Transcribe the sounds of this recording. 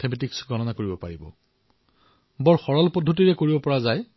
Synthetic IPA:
tʰemetiksɡʱɔnɔnakoɹibɔpaɹibɔ̰ | bɔɹxɔɹɔlpɔdʱːotiɹɛkoɹibɔpɔɹazaj

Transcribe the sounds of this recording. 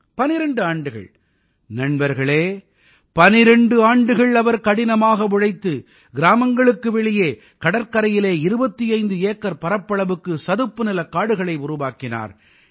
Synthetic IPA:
pɐnɪɾɛɳɖɯaːɳɖɯɣɐ̰ɭ | nɐɳbɐɾɣɐɭeː | pɐnɪɾɛɳɖɯaːɳɖɯɣɐɭɐʋɐɾkɐɽɪnɐmaːɣɐʋʊɻɐɪt̪ːɯ | ɡɪɾaːmɐŋɡɐɭɯkːɯʋɛɭɪjeː | kɐɽɐɾkɐɾɐjɪleːɪɾɯbɐt̪ːiɐɪnd̪ɯeːkːɐɾpɐɾɐpːɐɭɐʋɯkːɯsɐðɯpːɯnɪlɐkaːɽɯɣɐɭɐɪʊɾʊʋaːkɪna̰ːɾ

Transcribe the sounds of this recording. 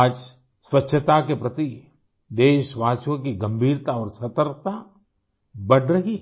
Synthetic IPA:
aːd͡ʒ | swətːʃʰət̪akepɾɐt̪i | d̪eːʃʋaːsjõkiɡɐ̃mbʱiːɾt̪aɔːɾsɐt̪əɾ̚t̪a | bɐɽɾɐɦi

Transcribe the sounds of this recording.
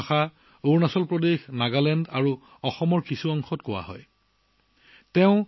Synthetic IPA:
xa | oɹnasɔlpɹɔdexnaɡalɛndaɹu | ɔxɔmɔɹkisuɔŋxɔtkʊwa̰ɦɔ̰j | tɛʊ̃

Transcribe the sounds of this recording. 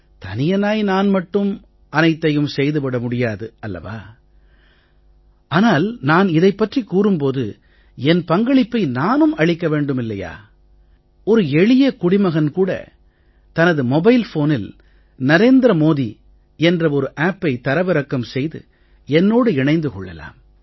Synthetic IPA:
t̪ɐnɪjɐnaːjnaːnmɐʈːɯm | ʔɐnɐɪt̪ːɐjɯmsɛjðɯpɐɽɐmʊɽɪjaːðɯɐlːɐ̰ʋa̰ː | ʔaːnaːlnaːnɪðɐɪpːɐʈrikːuːɾɯmpoːðɯ̰ | ɛnpɐŋɡɐɭɪpːɐɪnaːnɯmɐɻɪkːɐʋeːɳɖɯmɪlːɐja̰ː | ɔɾɯɛɻɪjɐkʊɽɪmɐɣɐnkuːɽɐ̰ | t̪ɐnɐðɯmɔbɐɪlfoːnɪl | nɐɾeːnd̪ɾɐmoːði | ɛndrɐɔɾɯʔaːpːɐɪt̪ɐɾɐʋɐɾɐkːɐmsɛjðɯ̰ | ɛnːoːɽɯɪɳɐɪnd̪ɯkɔɭːɐ̰la̰ːm

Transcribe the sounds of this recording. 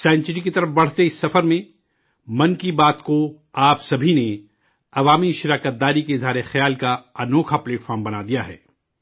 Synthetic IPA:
sãːɪnt͡ʃɾikit̪ɐɾəfbɐɽ̤t̪eɪsːɐfəɾmẽ | mɐ̃nkibaːt̪ko | aːpsɐbʱine | ɐʋaːmiʃɪɾaːkət̪̚d̪aːɾikeɪzʱɦaːɾexjaːlkaɐnoːkʰapleːʈfɔːɾmbɐnad̪ijaɦɛ̰ː

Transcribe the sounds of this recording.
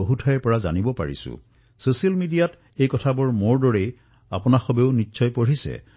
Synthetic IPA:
oɦutʰajpɔɹaza̰nibɔpa̰ɹḭsʊ̰̃ | sosialmidijat | ejkɔtʰabɔɹmoɹdɔɹej | a̰pʊnaxɔbeʊnitːsʰɔjpoɹisɛ̰

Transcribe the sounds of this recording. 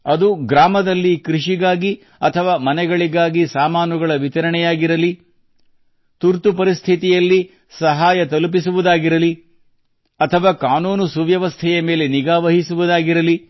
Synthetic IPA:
ɐd̪uɡɾaːmɐd̪ɐlːikɾiʂiɡaːɡi | ɐt̪ʰɐʋaːmɐnɛɡɐɭiɡaːɡisaːmaːnuɡɐɭɐʋit̪ɐɾɐɳɛjaːɡiɾɐli | t̪uɾt̪upɐɾist̪ʰit̪ijɐlːi | sɐɦaːjɐt̪ɐlup̬isuʋud̪aːɡiɾɐli | ɐt̪ʰɐʋaːkaːnuːnusuʋjɐʋɐst̪ʰɛjɐme̞ːleniɡaːʋɐɦisuʋud̪aːɡiɾɐli

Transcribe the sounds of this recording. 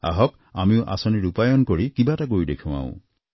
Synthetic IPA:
a̰ɦɔk | amiũʔa̰sɔniɾupajɔnkɔɽikibaʈakojdekʰũwã̰w̰̃

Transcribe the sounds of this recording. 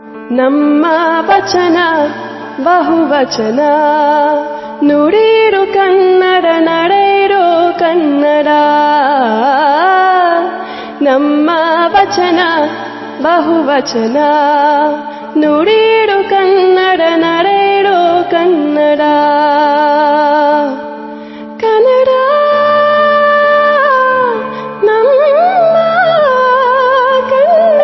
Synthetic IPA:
nɐmːɐʋɐt͡ʃɐnɐ | bɐɦuʋɐt͡ʃɐnɐ | nuɽiɾukɐnːɐɽɐnɐɽɐjɾokɐnːɐɽa | nɐmːɐʋɐt͡ʃɐnɐ | bɐɦuʋɐt͡ʃɐna | noɽiɽokɐnːɐɽɐnɐɽɐɽokɐnːɐɽa | kɐnɐɽa | nɐmːɐ | kɐn

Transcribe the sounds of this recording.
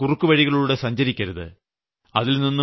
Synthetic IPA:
kurukːuʋɐɻiɣɐɭuɽe̞sɐɲd͡ʑɐɾikʲːɐɾuðɨ̰ | ɐðilninːu

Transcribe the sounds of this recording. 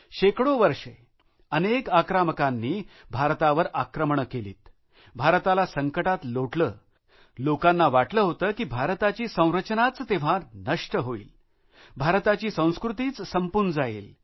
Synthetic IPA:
ɕekɽoʋəɾʂe | ənekakɾaməkanːiː | bʱaɾt̪aʋəɾakɾəmɳəkelḭːt̪ | bʱaɾt̪alasəŋkəʈat̪loʈləː | lokanːaʋaʈləːɦot̪əːkiːbʱaɾt̪at͡ɕiːsə̃w̃ɾət͡ɕnat͡st̪eʋ̤anəʂʈəɦoḭːl | bʱaɾt̪at͡ɕiːsə̃w̃skɾut̪iːt͡ssəmpund͡zajḛl

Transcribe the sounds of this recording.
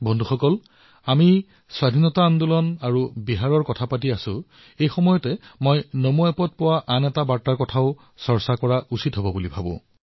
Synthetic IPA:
bɔndʱuxɔkɔl | ami | swadʱinɔtaːndulɔnaɹubiɦaɹɔɹkɔtʰapat̬iasʊ̃ | ejxɔmɔjɔtɛmojnomuapɔt̚pɔwaʔanɛtabaɹtaɹkɔtʰaʊ | sɔɹsakɔɹaʔusitɦobɔbulibʱabʊ̰̃

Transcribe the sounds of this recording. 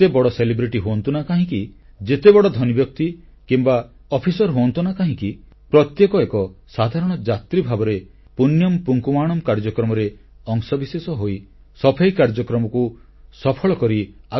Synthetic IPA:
ebɔɽɔselibɾiʈiɦoɔnt̪unakaɦĩki | d͡ʒet̪ebɔɽɔd̪ʱɔnibjɔk̚t̪i | kimba | ɔpʰisɔɾɦoɔnt̪unakaɦĩki | pɾɔt̪jekɔekɔsad̪ʱaɾɔɽ̃ɔd͡ʒat̪ɾibʱabɔɾe | punjɔmpuŋkumaːɽɔmkaɾd͡ʒɔkɾɔmɔɾe | ɔŋsɔbisesɔɦoj | sɔpʰejkaɾd͡ʒɔkɾɔmɔku | sɔpʰɔɭɔkɔɾia

